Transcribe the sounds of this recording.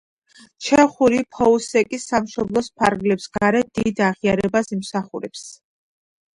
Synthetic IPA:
t͡ʃʰɛχuɾipʰɔusɛkʼisamʃɔblˠɔspʰaɾɡlɛpsɡ̥aɾɛd̪̥id̪aʁiaɾɛbasimsaχuɾɛps

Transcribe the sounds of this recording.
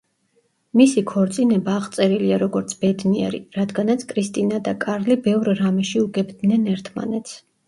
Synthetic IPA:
misikʰɔɾt̪sʼinɛbaːʁt̪sʼɛɾiliaɾɔɡɔɾt̪sʰb̥ɛd̪niɛ̰ɾḭɾad̪ɡanat̪sʰkʰʼɾist̪ʼinad̪akʼaɾlibɛvɾɾamɛʃiuɡɛbd̪nɛnɛɾt̪ʰma̰nɛt̪sʰ

